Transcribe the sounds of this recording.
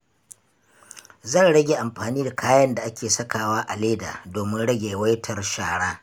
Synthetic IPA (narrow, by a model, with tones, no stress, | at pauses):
zɐ˦˨nɽɐ˦ɡʲeː˨ʔa˨mɸaː˨niː˦da˨kʰaː˦jɐ˦nda˨ʔa˦kʲeː˨sɐ˦kaː˨waː˦ʔa˨leː˦da̰ː˨doː˨mɪ˦nɽɐ˦ɡʲeː˨wɐ˦jtʰɐ˨rʃaː˨ɽaː˦